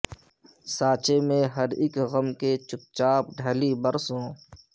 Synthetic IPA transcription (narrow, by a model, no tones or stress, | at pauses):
saːt͡ʃemẽɦɐɾɪkɣəmket͡ʃʊk̚t͡ʃaːp̚ɖʱɐlibəɾsɦõː